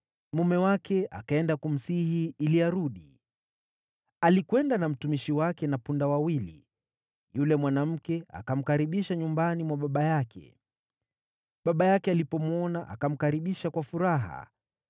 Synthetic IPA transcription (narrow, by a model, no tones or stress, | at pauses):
mumɛwakɛʔa̰kaɛndakum̩sihiiliaɾuɗi | alikwɛndanam̩tumiʃiwakɛnapundawawilḭ | julɛmwanam̩kɛa̰kam̩kaɾiɓiʃaɲumbanimwaɓaɓajakʰɛ̰ | ɓaɓajakɛalipɔmuɔnaʔa̰kam̩kaɾiɓiʃakwafuɾaɦa̰